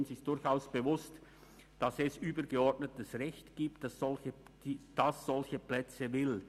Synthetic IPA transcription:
nsɪsd̥ʊɾçaʊsb̥əvʊst | d̥ɑsɛsʔyːbəɡəɔʁdnətəsʁɛçtɡ̥iːpt̚d̥asz̥ɔlçə̥ | id̥asz̥ɔlçəplɛt͡səvɪl

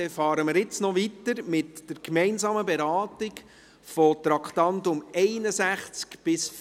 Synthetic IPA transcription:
ɛfɑːɾəməɾjɪt͡snɔʋitəɾmɪtd̥əɾkmɛnsɑːməbɛɾɑːtɪk | fɔt̪ɾɑkχt̪ɑnt̪ʊmɛɪnəsæχt͡skb̥ɪsf

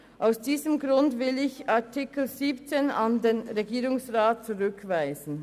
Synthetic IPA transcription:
ʔaʊsd̥iːzəmɡɾʊndvɪlɪçaɐtʰikl̩ziːpt͡seːnandeːnʁeɡiːɾʊŋsʁaːt̚t͡suʁʏkvaɪzn̩

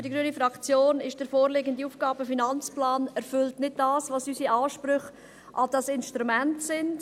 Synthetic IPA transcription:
ʏdiɡɾyənifɾɑkt͡sjoːnɪʃd̥əɾfoːɾlɪɡəndiuːfɡ̥ɑːbəfinɑnt͡splɑːnɛɾfʏltnɪd̚dɑːsvʋɑsysiʔɑːʃpɾʏχ | ʔɑd̥ɑsɪnʃtɾumɛntsɪnd

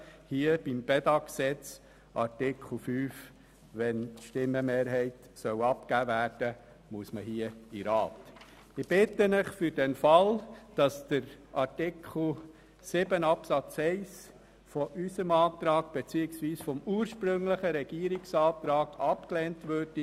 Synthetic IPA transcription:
hiːəb̥imb̥ɛdɑksɛt͡s | ʔɑ̰ɾtɪkʰχl̩ˠfyːf | ʋɛntʃtɪmːəmeːɾɦɛɪt | sœwɑpkæːvæːɾd̥ə | muəsməhiːəiɾɑːt | ɪb̥ɪt̪ənəχfʏɾd̥ɛnfɑld̥ɑsd̥əɾʔɑɾtɪkχl̩ˠ | sɪbənɑpsɑt͡sɛɪs | fɔʔysəmɑːt̪ɾɑːɡ̥b̥et͡siːɪksʋiːsfɔmuːəɾʃpɾɵŋləχəɾɛɡ̥iəɾiksɑːt̪ɾɑːɡɑpkleːntʋøɾdi

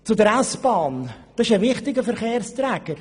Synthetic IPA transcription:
t͡sʊdəɾasb̥ɑːnd̥̪ɑsɪʃəvɪχtɪɡəfəɾχeːrst̪ɾɛːɡ̥əɾ

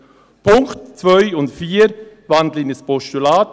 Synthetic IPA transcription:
pʰʊŋktt͡svœʏʊntfiːɾvandlɪnəspɔʃtylaːt

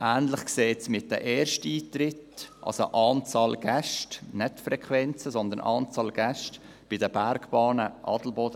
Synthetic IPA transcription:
ʔæːnlɪχkseːtsmɪt̚d̥ə̰ʔɛːɾʃtəiːt̪ɾɪtʔɑ̰lso̰ʔɑːnt͡sɑːlɡ̥ɛʃtnɛtfɾɛkχʋɛnt͡səsɔnd̪ənʔɑ̰ːnt͡sɑːlɡ̥æʃt | b̥ɪdəbæɾɡb̥ɑːnəʔɑ̰ːdl̩bɔdə

